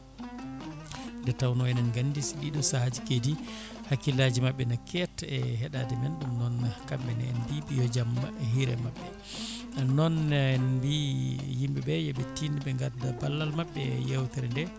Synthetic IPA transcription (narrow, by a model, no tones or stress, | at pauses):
ndɛtawnɔɛnɛnɡandisiɗiɗɔsahad͡ʒikedi | hakːilad͡ʒimaɓːɛnakʰɛtɛɦɛɗadɛmɛnɗumnɔnkambɛnɛɛ̰nbibijɔd͡ʒamːaɦiɾɛ̰maɓːɛ | nɔnnbijimbibɛjɔɓɛtinɓɛŋɡaɾdabalːalmaɓːɛjɛwtɛɾndɛ